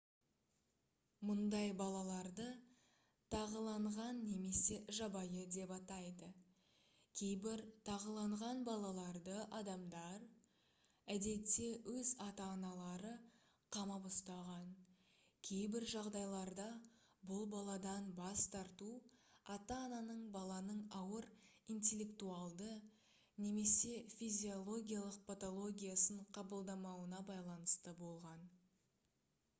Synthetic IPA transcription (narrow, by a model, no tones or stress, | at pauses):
mʊnd̪ɑjbɑlˠɑlˠɑɾd̪ə | t̪ʰɑʁəlˠɑɴʁɑnːe̞me̞se̞ʒɑbɑjəd̪e̞pɑt̪ɑjd̪ə | kʲʰe̞jbɪɾt̪ʰɑʁəlˠɑɴʁɑnbɑlˠɑlˠɑɾd̪əʔɑd̪ɑmd̪ɑɾ | æd̪e̞t̪ːe̞wɵzɑt̪ɑːnɑlˠɑɾə | qʰɑmɑbʊst̪ɑʁɑn | kʲʰe̞jbɪɾʒɑʁd̪ɑjlˠɑɾd̪ɑ | bʊlˠbɑlˠɑd̪ɑnbɑst̪ʰɑɾt̪uɑt̪ɑːnɑnəɴbɑlˠɑnəɴɑwəɾijnt̪e̞lʲːe̞kt̪uɑlˠd̪ə | ne̞me̞se̞fʲizʲio̞lˠo̞ɡʲijalˠəq̚pʰat̪o̞lˠo̞ɡʲijasəɴqʰɑbəlˠd̪ɑmɑwənɑbɑjlˠɑnəst̪əbo̞lˠʁɑn